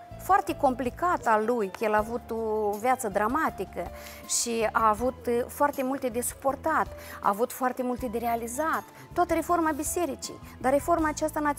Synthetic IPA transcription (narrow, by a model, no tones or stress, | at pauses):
foart̪e̞ko̞mplikat̪salːujkjelaːvut̪ovjat̪səd̪ɾamat̪ikə | ʃiaːvut̪foart̪e̞mult̪e̞d̪e̞su̥po̞rt̪at̪ | a̰ːvut̪foart̪e̞mult̪e̞d̪e̞ɾealizat̪ːoat̪əɾe̞fo̞rmabise̞ɾit͡ʃḭj | d̪are̞fo̞rmaːt͡ʃast̪ana